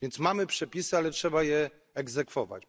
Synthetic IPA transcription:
vʲjɛnt̪smamɘpʂɛpʲisɘalɛtʂɛbajɛː | ɡzɛkfɔva̰t͡ɕ

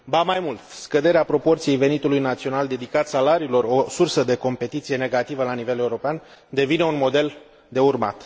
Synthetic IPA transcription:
bamajmult̪skəd̪e̞ɾeapɾo̞po̞rt̪sije̞jve̞nit̪ulujnat̪sio̞nald̪e̞d̪ikat̪salaɾiːlo̞ro̞sursəd̪e̞ko̞mpe̞t̪it̪sije̞ne̞ɡat̪ivəlanive̞le̞uɾo̞pean | d̪e̞vine̞unmo̞d̪e̞l | d̪e̞urma̰t̪

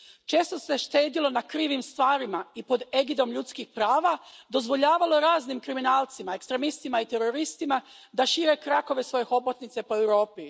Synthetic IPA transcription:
t͡ʃe̞ːst̪o̞se̞ʃt̪e̞ːd̪ilo̞nakɾiːʋimst̪ʋaːɾimaipo̞d̪eɡid̪o̞mʎut̪skixpɾaːʋad̪o̞zʋo̞ʎaːʋalo̞ɾaːznimkɾiminaːlˠt̪simae̞kst̪ɾemist̪imait̪e̞ɾo̞ɾist̪ima | d̪aʃiːɾe̞kɾako̞ʋe̞sʋo̞je̞xo̞bot̪nit̪se̞po̞e̞wɾo̞ːpi

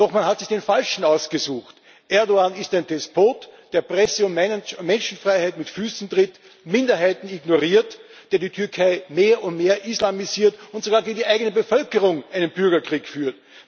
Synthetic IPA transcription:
d̥ɔxmanhatsɪçd̥eːnfalʃn̩aʊsɡ̥əzuːxt | ʔɛɐdoaːnɪstæɪndɛspʰoːtd̥eːɐpʁɛsəʊmmɛnʃn̩fʁaɪhaɪtmɪtfyːsn̩tʁɪt | mɪndɐɦaɪtn̩iɡnoʁiːɐt | d̥eːɐdiːtʰʏɐkʰaɪmeːɐʔʊntmeːɐʔislamiziːɐtʊntz̥oɡaːɐɡiːdiʔaɪɡənəbəfœlkəʁʊŋʔaɪnənbʏɐɡɐkʁ̥iːkfyːɐt

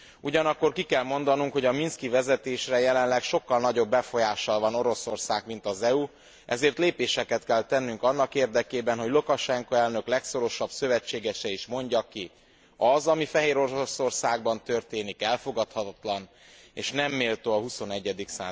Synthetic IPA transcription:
uɟɒnɒkːo̞rkikɛlmo̞nd̪ɒnuŋkho̞ɟɒminskivɛzɛt̪eːʃrɛjɛlɛnlɛkʃo̞kːɒlnɒɟo̞bːɛfo̞jaːʃɒlvɒno̞ɾo̞so̞rsaːɡmin̪t̪ɒzɛu | ʔɛzeːrt̪leːpeːʃɛkɛt̪kɛlt̪ɛnːyŋkɒnːɒkeːrd̪ɛkeːbɛnɦo̞ɟlokɒʃɛŋkoɛlnøklɛksoɾo̞ʃɒbsø̞vɛt͡ʃːeːɡɛʃɛiʃmo̞ɲɟɒki | ɒzɒmifɛɦeːɾo̞ɾoso̞rsaːɡ̚bɒnt̪ørt̪eːnikɛlfo̞ɡɒt̪hɒt̪ɒt̪lɒn | ḛːʃnɛmːeːlt̪oːɒɦuso̞nɛɟːɛd̪iksa̰ː

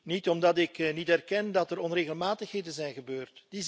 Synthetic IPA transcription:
nitɔmdɑtɪknitɛrkɛndɑtərɔnreːɣəlˠmaːtəxɦeːdənzɛjnɣəbøːrtd̥iz

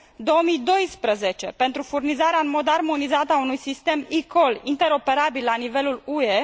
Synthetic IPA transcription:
d̪o̞omijd̪o̞jspɾəze̞t͡ʃe̞pe̞nt̪ɾufurnizaɾeaɨnmo̞d̪armo̞nizat̪əaunujsist̪e̞miko̞lint̪e̞ɾo̞pe̞ɾabilːanive̞lulue

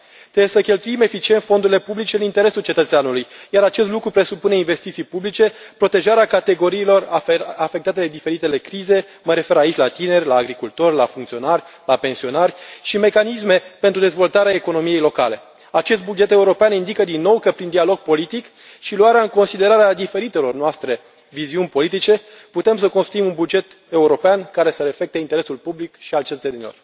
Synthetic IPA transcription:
t̪ɾebesəkʲe̞lt̪uime̞fit͡ʃient̪fo̞nd̪uɾile̞publit͡ʃe̞ɨnint̪e̞ɾe̞sult͡ʃe̞t̪ət̪seanulujjaɾat͡ʃe̞st̪lukɾupɾe̞supune̞inve̞st̪it̪sijpublit͡ʃe̞ | pɾo̞t̪e̞ʒaɾeakat̪e̞ɡo̞ɾiːlo̞rafek̚t̪at̪e̞d̪ed̪ife̞ɾit̪e̞le̞kɾize̞ | məɾe̞fe̞ɾait͡ʃʲlat̪ine̞rʲlaːɡɾikult̪o̞rʲla̰fuŋkt̪sio̞narʲ | lape̞nsio̞narʲʃime̞kanis̬me̞pent̪ɾud̪ezvo̞lt̪aɾeaeko̞no̞mije̞jlo̞kale̞ | at͡ʃest̪̚bud͡ʒe̞t̪e̞uɾo̞peanind̪ikəd̪inːo̞wkəpɾind̪ialo̞ɡ̚po̞lit̪ik | ʃiluaɾeaɨŋko̞nsid̪e̞ɾaɾead̪ife̞ɾit̪e̞lo̞rnoast̪ɾe̞ | viziunʲpo̞lit̪̬it͡ʃe̞ | put̪e̞msəko̞nst̪ɾuimunbud͡ʒe̞t̪ | e̞uɾo̞peankaɾe̞səɾe̞fe̞k̚t̪e̞int̪e̞ɾe̞sulpublikʃialt͡ʃet̪ət̪senilo̞̰r

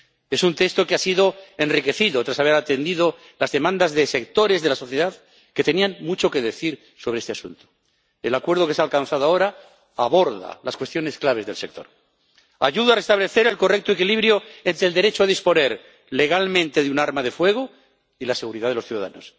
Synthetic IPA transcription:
e̞sunt̪e̞kst̪o̞keasiðo̞e̞nrike̞θiðo̞t̪ɾasaβ̞e̞ɾat̪e̞nd̪iðo | lazðe̞mãnd̪azðe̞se̞kt̪o̞ɾe̞zðe̞laso̞θjeðað | ke̞t̪e̞nianmut͡ʃo̞ke̞ðeθiɾ | soβeest̪easṵnt̪o̥ | elakwe̞ɾð̞o̞kesalkanθaðoaoɾa | aβo̞ɾða̰laskwe̞st̪jo̞ne̞sklaβ̞e̞zðe̞lse̞k̚t̪o̞̰ɾ | a̰ʝuðoare̞st̪aβle̞θe̞ɾe̞lko̞rek̚t̪oe̞kiliβɾjo̞e̞nt̪ɾeːld̪e̞ɾet͡ʃoaðispo̞ne̞ɾ | le̞ɣ̞almẽnt̪e̞ðeunaɾmaðe̞fwe̞ɣo | ilase̞ɣuɾiðaðelo̞sθjuða̰ða̰no̞s

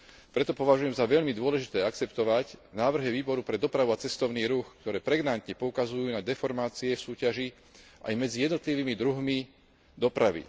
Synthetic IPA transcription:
pɾɛt̪ɔpɔʋaʒujɛmzaʋɛʎmid̪ʊɔlɛʒit̪ɛːakt͡sɛpt̪ɔʋacnaːʋr̩ɦɛʋiːbɔɾupɾɛd̪ɔpɾaʋuat͡sɛst̪ɔʊniːɾuxkt̪ɔɾɛːpɾɛɡnant̪ɲɛpɔukazujuːnad̪ɛfɔɾmaːt͡siɛfsuːcaʒi | ʔa̰jmɛd͡zijɛd̪nɔt̪liʋiːmid̪ɾuɦmi | d̪ɔpɾaʋḭ

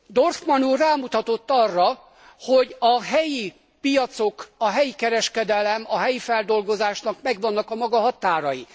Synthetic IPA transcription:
d̪orsmɒnuːrraːmut̪ɒt̪ot̪ːɒrːɒ | hoɟɒɦɛji | pijɒt̪so̞kɒɦɛjikɛɾɛʃkɛd̪ɛlɛmɒɦɛjifɛld̪o̞lɡo̞zaːʃnɒkmɛɡʋɒnːɒkɒmɒɡɒɦɒt̪aːɾɒji

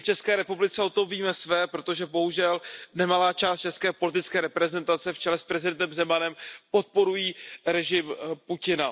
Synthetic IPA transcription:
ft͡ʃɛskɛːɾɛpublɪt͡sɛo̞t̪oviːmɛsvɛːpɾo̞t̪o̞ʒɛbo̞ɦuʒɛlnɛmalaːt͡ʃaːst̪̚t͡ʃɛskɛːpo̞lɪt̪ɪt͡skɛːɾɛpɾɛzɛnt̪at͡sɛft͡ʃɛlɛspɾɛzɪdɛnt̪ɛmzɛmanɛmpo̞t̪̚po̞ɾujiːɾɛʒɪmpucɪna

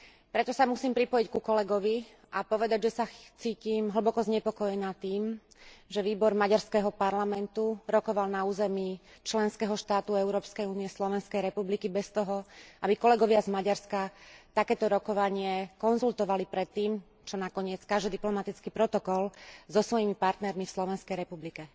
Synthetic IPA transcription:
pɾɛt̪ɔsamusiːmpɾipɔjickukɔlɛɡɔʋi | ʔapɔʋɛd̪aɟʒɛsat͡siːcimɦl̩bɔkɔzɲɛpɔkɔjɛnaːt̪iːm | ʒɛʋiːbɔɾmaɟaɾskɛɦɔpaɾlamɛnt̪uɾɔkɔʋalnauːzɛmi | t͡ʃlɛnskɛɦɔʃt̪aːt̪uɛʊɾɔːpskɛjuːniɛslɔʋɛnskɛjɾɛpublikibɛst̪ɔɦɔʔabikɔlɛɡɔʋazmaɟaɾskat̪akɛːt̪ɔɾɔkɔʋaɲɪɛkɔnzult̪ɔʋalipɾɛt̪ːiːm | t͡ʃɔnakɔɲɪɛt͡skaʒd͡ʒ̪ɛd̪iplɔmat̪it͡skipɾɔt̪ɔkɔlzɔsʋɔjimipaɾt̪nɛɾmifslɔʋɛnskɛjɾɛpublikɛ

